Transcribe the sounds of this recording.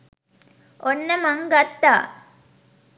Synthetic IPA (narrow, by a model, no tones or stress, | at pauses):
onːɐmɐŋɡɐt̪ːaː